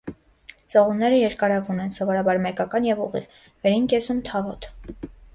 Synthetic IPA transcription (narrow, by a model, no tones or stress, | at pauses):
t͡sɔʁunːɛɾəjɛɾkɑɾɑvunɛnsɔvɔɾɑbɑɾmɛkɑkɑnjɛvuʁḭʁ | vɛɾinkɛsumt̪ʰɑvɔt̪